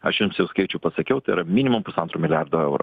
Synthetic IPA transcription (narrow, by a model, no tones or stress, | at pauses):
ɐʃjɪmsjɛʊskɐɪt͡ʃʲʊːpɐsɐkʲɛʊt̪ɐɪɾɐmʲɪːnʲɪmʊmpʊsɐnt̪ɾuːmʲɪlʲɪjæɾd̪oːɛʊɾo̰